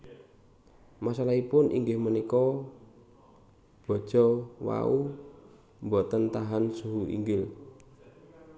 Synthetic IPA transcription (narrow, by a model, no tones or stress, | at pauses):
masalaipʊnʔḭŋɡɪhmənikɔ | b̥ɔ̤̥ʒ̥ɔwa̰u | mbɔt̪ənt̪aɦansuɦuḭŋɡɪl